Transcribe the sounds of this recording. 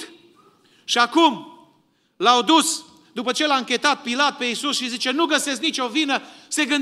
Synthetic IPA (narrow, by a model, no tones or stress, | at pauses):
ʃiakum | lawd̪us | d̪upət͡ʃe̞laɨŋkʲe̞t̪at̪̚pilat̪̚pe̞isusʃizit͡ʃe̞nuɡəse̞sknit͡ʃo̞vinəse̞ɡɨnd̪